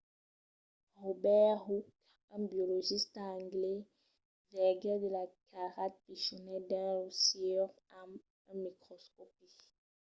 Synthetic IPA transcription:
ʁobɛɦuk | ãbjoloʒistãŋɡlɛ | vɛɡɛdəlakʰaʁat̚piʃonɛdɛ̃losiɔʁam | ãmikʁɔskɔpi

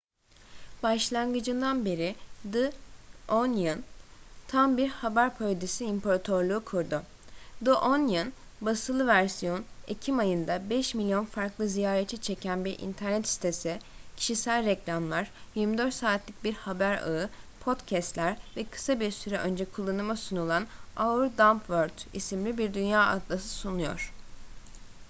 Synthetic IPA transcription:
b̥aʃlˠanɡɯd͡ʒɯnd̪anbe̞ɾid̪ɯ | onjɯnt̪ʰambiɾhabæɾpʰold̪isiimpʰoɾat̪ʰo̞ɾlˠuːkʰuɾd̪ʊ | d̪ɯʔonjɯn | basɯlˠɯvæɾsijo̞nḛcʰimajɯnd̪abɛʃmilʲjo̞nfaɾklˠɯzijaːɾet͡ʃʰit͡ʃʰe̞cʰænbiɾʔḭnt̪ʰæɾnɛt̪ist̪ʰesicʰi̥ʃisælʲɾɛclʲamlˠaɾ̥jiɾmid̪ø̞ɾt̪saːt̪ʰlʲic̚biɾhabæɾa̰ɯpʰo̞d̪cʰɛst̪lʲæɾvɛkʰɯ̥sabiɾsyɾɛʔø̞nd͡ʒɛkʰulˠːanɯmasunulˠanauɾd̪ampvøɾʲt̪ḭsimlʲibiɾd̪ynjaːa̰d̪lˠasɯsunujo̞̰ɾ̝̥

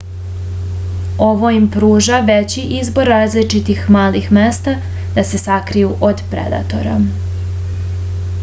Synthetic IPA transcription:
o̞ʋo̞impɾuːʒaʋet͡ɕiʔizbo̞ɾːaːzlit͡ʃit̪ixmaːlixmest̪a | d̪ase̞sakɾijuʔod̪pɾḛd̪a̰t̪o̞̰ɾa̰

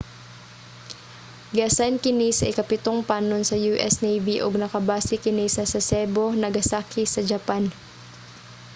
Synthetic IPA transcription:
ɡasankɪnisɐʔɪkɐpɪt̪o̞ŋpaːnonsɐjuːʔɛsnejviʔoɡnɐkɐbaːsɪkɪnisɐsɐsɛbo̞nɐɡɐsaːkʰɪsɐd͡ʒɐpan

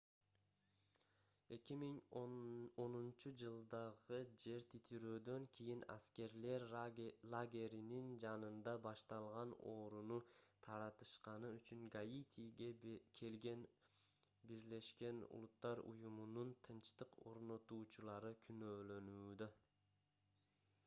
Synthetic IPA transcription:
e̞kʲimiŋ | o̞nunt͡ʃud͡ʒɯlˠd̪ɑʁɯd͡ʒe̞ɾt̪ʰit̪ʰiɾøːd̪ø̞ŋkʲʰijina̰ske̞ɾle̞ɾlˠaɡʲe̞ɾinind͡ʒɑnɯnd̪ɑbɑʃt̪ɑlˠʁɑno̞ːɾunut̪ʰɑɾɑt̪ɯ̥ʃqɑnɯyt͡ʃyŋɡajit̪ʲʰijɡekʰe̞lɡe̞n | biɾle̞ʃke̞nṵlˠut̪ːɑɾṵjumununt̪ʰɯnt͡ʃt̪ɯqʰo̞ɾnot̪uːt͡ʃulˠɑɾɯkʲʰynøːlø̞nyːd̪ø

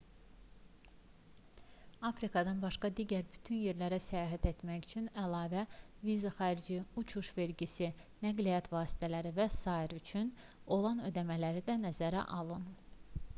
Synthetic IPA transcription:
ɑfɾikʰɑd̪ɑnbɑʃkɑd̪iɟæɾbyt̪ʰynje̞ɾlæɾæsæjɑːɦæt̪e̞t̪mæçyt͡ʃʰynælɑːvævizɑχæɾid͡ʒiut͡ʃʰuʃve̞ɾɟisinæɡlijɑt̪ʰvɑːst̪ʰælæɾivæsɑiɾyt͡ʃʰyn | o̞lˠɑnød̪æmælæɾid̪ænæzæɾæ̰ʔɑlˠɯn

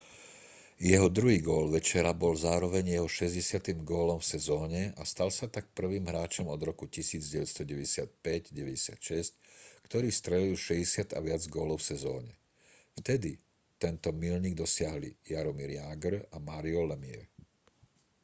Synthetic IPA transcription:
jɛɦɔd̪ɾuɦiːɡɔːlʋɛt͡ʃɛɾabɔlzaːɾɔʋɛɲjɛɦɔʃɛzɟɛsɪat̪imɡɔːlɔmfsɛzɔːɲɛast̪alsat̪ak̚pr̩ʋiːmɦɾaːt͡ʃɔmɔd̪ɾɔkucisiːd͡zɟɛʋɛtst̪ɔɟɛʋɛɟɛsɪat̪̚pɛɟɟɛʋɛɟɛsɪat̪ʃɛsc̚kt̪ɔɾiːst̪ɾɛliulʃɛɟɛsɪat̪a̰ʋɪad͡zɡɔːlɔʊfsɛzɔ̰ːɲɛ | ft̪ɛd̪i | t̪ɛnt̪ɔmilɲiːɡ̚d̪ɔsɪaɦlḭjaɾɔmiɾjaːɡɾamaːɾiɔlɛmiɛ̰

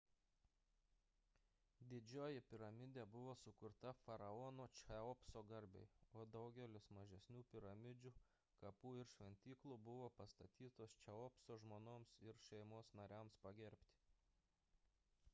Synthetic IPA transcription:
d̪ʲɪd͡ʒʲoːjɪpʲɪɾɐmʲɪd̪ʲeːbʊʋoːsʊkʊɾt̪ɐfɐɾɐɔːnoːt͡ʃʲɛɔpsoːɡɐɾʲbʲɛ̰ɪoːd̪ɐʊɡʲɛlʲɪsmɐʒʲɛsʲnʲuːpʲɪɾɐmʲɪd͡ʒʲuː | kɐpuːɪɾʃʲʋʲɛnʲt̪ʲiːklˠuːbʊʋoːpɐst̪ɐt̪ʲiːt̪oːst͡ʃʲɛɔpsoːʒmoːnoːmsɪɾʃʲɛɪmoːsnɐɾʲæːmspɐɡʲɛɾʲpʲt̪ʲɪ̥

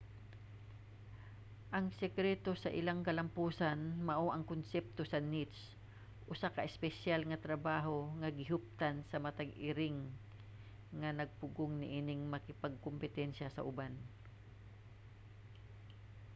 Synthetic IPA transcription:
ʔɐŋsɛkɾɛt̪o̞sɐʔɪlaŋkɐlɐmpuːsanmɐʔoʔɐŋkʊnsɛp̚t̪o̞sɐnit̪s | ʔʊsakɐʔɪspɛʃalŋɐt̪ɾɐbaːɦo̞ŋɐɡɪɦʊp̚t̪ansɐmɐt̪ɐɡɪɾɪŋ | ɐnɐɡ̚pʊɡʊŋnɪ̰ʔiːnɪŋmɐkɪpɐɡ̚kompɪt̪ɛnʃasɐ̰ʔʊban

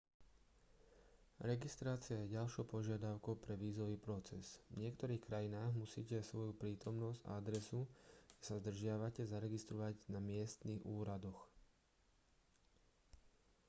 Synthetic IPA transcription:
ɾɛɡist̪ɾaːt͡sɪajɛɟalʃɔʊpɔʒɪad̪aʊkɔʊpɾɛʋiːzɔʋiːpɾɔt͡sɛzʋɲɪɛkt̪ɔɾiːxkɾajinaːɣmusḭːcɛsʋɔjupɾiːt̪ɔmnɔzɟa̰ad̪ɾɛsu̥ɛsazd̪r̩ʒɪaʋacɛzaɾɛɡist̪ɾɔʋaɟnamɪɛst̪niːɣuːɾad̪ɔx

